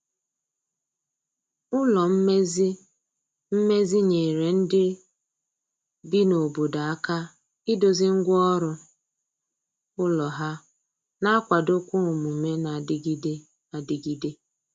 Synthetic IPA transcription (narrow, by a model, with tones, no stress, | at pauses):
ʊ˦lɔ˨m̩˦me˦zi˦ | m̩˦me˦zi˦ɲe˨ɾe˨n̩˦dɪ˦ | bi˦no˨bo˨da˨a˦ka˦ | ɪ˦do˨zɪ˦ŋ̩˦ɡʷɔ˦ɾʊ˦ | ʊ˦lɔ˨ɦa˦ | na˦kʷa˨dʊ˦kʷʊ˦ʊ˨mu˨me˦na˨dɪ˦ɡi˦de˦ | a˨dɪ˨ɡi˦de˦